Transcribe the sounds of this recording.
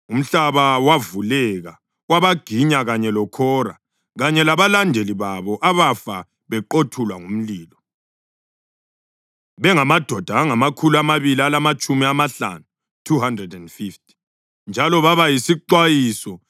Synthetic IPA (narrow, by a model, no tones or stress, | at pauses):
um̩ɬaβawavulɛɣa | waβaɡ̥ʱiɲaɣaɲɛlɔkʰɔra̰ | ɣaɲɛlaβalandʱeliβaβɔʔaβafa | βɛǃotʰulwaŋum̩liːlɔ | βɛŋamad̥ʱɔd̥ʱaːŋamakʰuluamaβilialamat͡ʃʼumiamaɬa̰nu | tʰuɦandrɛdɛndfift̚ʰʼi̥ | nd͡ʒʱalɔβaβajisiǃwajisɔ